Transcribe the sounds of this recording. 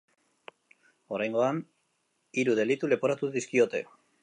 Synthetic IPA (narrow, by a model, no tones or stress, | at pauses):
o̞ɾajŋɡo̞an | iɾuð̞e̞lit̪ule̞po̞ɾat̪uðiskio̞t̪e̞̰